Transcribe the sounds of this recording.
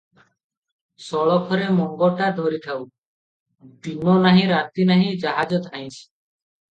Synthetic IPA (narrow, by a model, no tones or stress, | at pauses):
sɔɭɔkʰɔɾemɔŋɡɔʈad̪ʱɔɾit̪ʰaw | dinɔnaɦĩɾat̪inaɦĩd͡ʒaɦad͡ʒɔt̪ʰaj̃t͡ʃʰi̥